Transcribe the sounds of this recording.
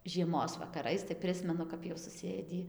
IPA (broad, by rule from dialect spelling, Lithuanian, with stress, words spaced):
ʒʲiɛˈmoːs ʋɐkɐˈrɐɪs tɐɪ ˈpʲrʲɪsʲmʲɛnʊ kɐp jɛʊ sʊˈsʲeːdʲiː